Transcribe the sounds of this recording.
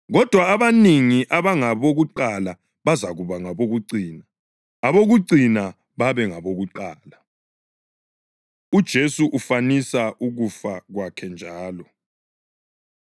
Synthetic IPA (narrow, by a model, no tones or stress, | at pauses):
ɣɔd̥ʱwaːβaniŋiʔaβaŋaβoɣuǃala | βazaɣuβaŋaβoɣuǀiːnaː | βoɣuǀina | βaβɛŋaβoɣuǃaːla | ud̥ʒ̥ʱesuʔufanisaʔuɣufaɣwakʰɛnd͡ʒʱaːlɔ